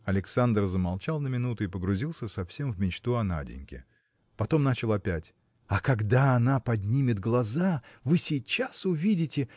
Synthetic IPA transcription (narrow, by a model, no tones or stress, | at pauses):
ɐlʲɪksand̪rzəmalˠt͡ɕalˠnəmʲɪnut̪ʊɪpəɡɾʊzʲilˠsʲəsɐfsʲemvmʲɪt͡ɕt̪uɐna̰dʲɪ̰nʲkʲɪ̰ | pɐt̪o̞mnat͡ɕɪlˠɐpʲætʲ | ɐkɐɡd̪aɐnapɐdʲnʲimʲɪd̪ɡlˠɐzavɨsʲɪjt͡ɕːasʊvʲidʲɪtʲɪ